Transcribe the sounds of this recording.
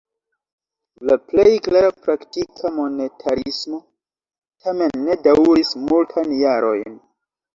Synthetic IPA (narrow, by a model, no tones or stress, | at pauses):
laple̞jklaɾapɾaktikʰamo̞ne̞tʰaɾismo̞ | tʰame̞nːe̞dawɾismultʰajnjaɾo̞̰jn